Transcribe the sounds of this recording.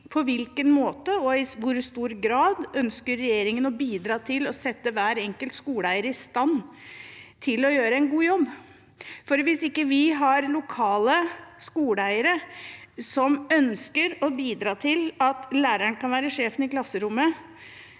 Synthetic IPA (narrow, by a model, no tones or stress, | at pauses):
pʰɔʋɪlkənmoːt̪əɔɪʋʊɾst̪uːɾɡɾɑːd̪œnskəɾːɛjeːɾɪŋənɔbiːd̪ɾɑːt̪ʰɪlɔsɛt̪ːəʋæːɾɛŋkəlt̪skuːɽæɪəɾəɪst̪ɑnː | t̪ʰɪlɔjøːɾəɛɪnɡuːjɔbː | fɔɾʋɪsɪkːəʋɪɦɑɾlʊkʰɑːləskuːɽæɪəɾə | sɔmœnskəɾɔbiːd̪ɾɑːt̪ʰɪlɑt̪læːɾæɳkɑnʋæːɾəʂeːfənɪklɑsəɾʊmːə